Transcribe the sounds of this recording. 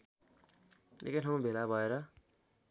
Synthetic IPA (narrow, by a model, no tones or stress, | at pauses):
ḛkaʈʰʌw̃bʱelabʱʌeɾʌ